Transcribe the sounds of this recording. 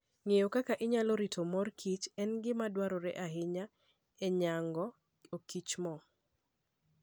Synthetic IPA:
ŋejokakaʔɪɲaloɾitʰomɔrkʰit͡ʃɛnɡɪmadwaɾɔɾɛ̰ʔaɦɪɲa | eɲaŋɡɔ | okit͡ʃmɔ

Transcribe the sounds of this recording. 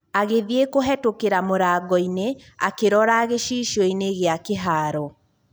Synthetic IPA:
aɣeðiekoɦɛtokeɾamoɾaːɡɔinea̰keɾɔɾaɣeʃiːʃɔineɣeakeɦaːɾɔ

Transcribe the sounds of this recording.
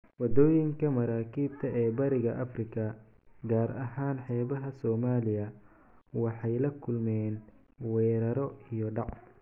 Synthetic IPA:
wɐd̪ɔːjɪŋkʰɐmɐɾaːkʰiːbt̪ʰɐʔɛːbɐɾɪɣɐʔɐfrɪkʰɐ | ɡaːɾʔɐɦaːnħɛːβɐɦɐsɔːmaːlɪjɐ | wɑħɑjlɐkʰʊlmɛːn | wɛːɾɐɾɔijɔɖɑʕ

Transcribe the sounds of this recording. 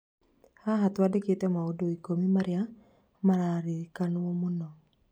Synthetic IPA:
haɦatwadeketɛmaodoikomimaɾɪja | maɾaɾikanwomunɔ

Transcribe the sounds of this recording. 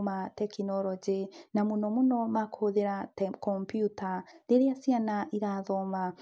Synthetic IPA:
matekinoɾɔɟinamunomunomakohoðeɾakompjutaɾeɾeasianaʔiɾaðoma

